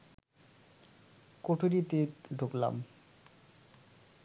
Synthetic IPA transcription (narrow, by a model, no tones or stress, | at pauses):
koʈʰoɾit̪eɾɖʱokla̰m